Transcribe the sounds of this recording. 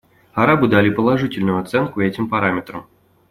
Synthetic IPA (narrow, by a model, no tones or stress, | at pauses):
ɐɾabɨd̪alʲipəlˠɐʐɨtʲɪlʲnʊjʊɐt̪sɛnkʊɛtʲɪmpɐɾamʲɪt̪ɾə̰m